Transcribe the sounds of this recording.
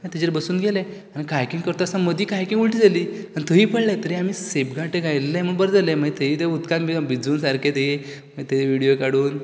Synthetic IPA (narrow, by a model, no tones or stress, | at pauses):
mait̪ed͡ʑeɾbəsuːnɡʱelẽ | anikajkĩŋkəɾt̪oasaməd̪ʱiːkajkĩŋɡuɭʈiːd͡zaliː | anit̪əɦiːpəɽlẽt̪əɾiamiːsepɡʱaʈeɡajllːẽm̤əɡbəɾd͡zalẽm̤əet̪ʰəiːt̪eut̪kat̪mibid͡zuːnsaɾkʰed̪ei | məd͡ʑet̪eʋiɽijokaɽuːn